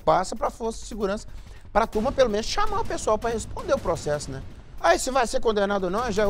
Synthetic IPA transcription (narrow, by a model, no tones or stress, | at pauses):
pasɐpɾɐfoɾsɐd͡ʒɪsɪɡuɾɐ̃sɐ̥ | pɾɐt̪umɐpelomẽnʊsʃamaʊpesuawpɾɐhespõnd̪eɾʊpɾosɛsʊnɛ | aisɪvajseɾkõnd̪enad̪ʊonɐ̃w̃ɛʒa